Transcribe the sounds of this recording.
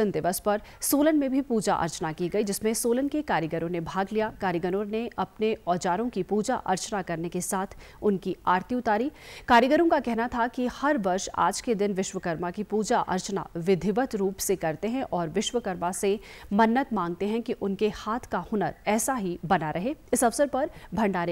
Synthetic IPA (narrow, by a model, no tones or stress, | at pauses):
ənd̪ɪʋəspɐɾ | soːlənmẽbʱipuːd͡ʒaʔɐ̰ɾt͡ʃnakiɡɐid͡ʒɪsmẽsoːlənkekaːɾjəɡəɾõnebʱaːɡlijakaːɾjəɡənoɾneɐpneɔːd͡ʒaːɾõkipuːd͡ʒa̰ʔɐ̰ɾt͡ʃnakɐɾnekesaːt̪ʰ | ʊnkiaːɾt̪ʰiʊt̪aːɾiːkaːɾjəɡəɾõkakɛɦnat̪ʰakihɐɾʋɐɾʃa̰ːd͡ʒked̪ɪnʋɪʃʋəkɐɾmakipuːd͡ʒaʔɐ̰ɾt͡ʃna̰ʋɪd̪ʱɪʋət̪ɾuːpsekɐɾt̪eɦɛ̃ʔɔːɾʋɪʃʋəkəɾmasemɐnːət̪mãːŋɡ̚t̪eɦɛ̃kiʔʊnkehaːt̪ʰkahʊnəɾɛːsaɦibɐnaɾʔɐɦeːɪsɐʋsəɾpɐɾbʱɐ̃ɳɖaːɾi